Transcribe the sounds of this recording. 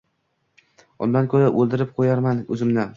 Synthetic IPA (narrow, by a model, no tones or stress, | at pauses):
ʊ̰nd̪ankʰʲɵɾaʔɵlˠd̪ɪɾɪp̚qʰojaɾmanɵ̰zɪmnɪ